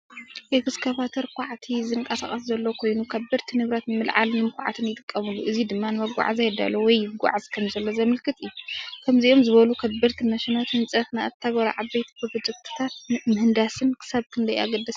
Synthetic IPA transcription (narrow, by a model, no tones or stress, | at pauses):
ʔeɡɨskʰɐβat̪ʰɐɾkʰʷaʕt̪ʰizɨŋkʼɐsaχʼɐszɐlːokʰo̞jnukʰɐbɨɾt̪ʰinɨβɾat̪nɨmɨlʕa̰lmɨmkʷʰa̰ʕa̰t̪ʰɨnjɪt̪ʼɨkʼːɐmɨlːuʔɨzid̪ɨmːanɨmɐɡʷa̰ʕazajɛd̪a̰lowɔjɡʷa̰ʕazkʰɐmzɐlːozɐmɨlkʰɨt̪ʼɨjːukʰɐmziʔo̞mzɨβɐlukʰɐbɨɾt̪ʰimɐʃinat̪hɨnt͡sʼɐfnaat̪ʰːaɡɐɾa̰ʕabɐjt̪ʰbʰɨbɨd͡ʒ̪ɨk̚t̪ʰɨ̥t̪ʰat̪̚nɨmhɨnd̪asɨnkʰɨ̥saβkʰɨnd̪ɐja̰ɡɐd̪ːɐs